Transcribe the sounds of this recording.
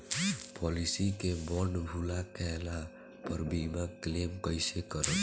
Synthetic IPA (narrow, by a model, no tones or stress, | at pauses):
pɔlisikebɔɳɖbʱulakɛla | pəɾbimaklemkəjsekəɾət̪